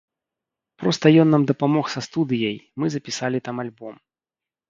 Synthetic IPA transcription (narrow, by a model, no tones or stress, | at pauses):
pɾɔst̪ɐjɔnːamd̪ɐpamɔxsɐst̪ud̪ɨjɐjmɨzɐpʲisalʲit̪amalʲbɔm